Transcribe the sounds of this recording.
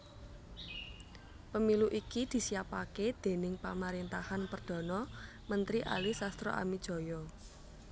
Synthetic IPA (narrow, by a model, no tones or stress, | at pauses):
pəmiluʔikid̪̥i̤sijapaked̪̥e̤nɪŋpamaɾint̪ahanpərd̪̥ɔ̤nɔ | mənt̪ɾiʔa̰lisast̪ɾɔ̰ʔa̰mid̥ʒ̥ɔ̤jɔ